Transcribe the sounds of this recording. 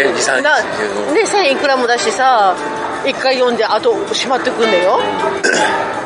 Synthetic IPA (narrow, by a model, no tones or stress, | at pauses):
nã | ne̞sãikɯ̟ɾamod̪aɕi̥t̪e̞sa | ikːaijõ̞nd̪e̞at̪o̞ɕimat̪ːe̞kɯ̟̃nd̪ajo̞